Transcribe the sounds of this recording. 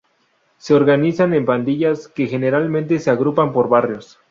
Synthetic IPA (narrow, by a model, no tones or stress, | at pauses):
se̞o̞ɾɣanisane̞mpand̪iʝaske̞xe̞ne̞ɾalmẽnt̪̬e̞se̞aɣɾupampo̞ɾβarjo̞s